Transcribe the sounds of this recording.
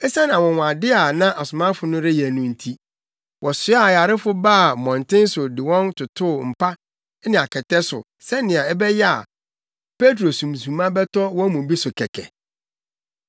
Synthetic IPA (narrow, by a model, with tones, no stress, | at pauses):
ɛ˦sã˦nã˨wɔ̃˨wa˨dɪ˦a˨nã˦ʔa˨sʊ˨mã˦fʊ˨nʊ̃˦ɾɪ˦jɛ˨nũ˦n̩˦˨tʰi˦ | wʔɔ˨sʊ˦a˦˨ja˨ɾɪ˦fʊ˦baː˦˨mɔ̃˨n˨tɪ̃˦n̩˦sʊ˨dɪ˨wɔ̃˦ntʰʊ˨tʰʊ˦˨m̩˨pʰa˦ | nɪ̃˨a˨kʰɛ˨tɛ˦sʊ̰˨ | sɛ˦nɪ̃˨ã˨ɛ˦bɛ˦jɛ˦a̰˨ | pe˦t̬ɾo˨sũ˨msũ˨˦mã˦bɛ˦tɔ˦wɔ̃˦mũ˨bi˦sʊ˨kʰɛ˨kʰɛ̰˨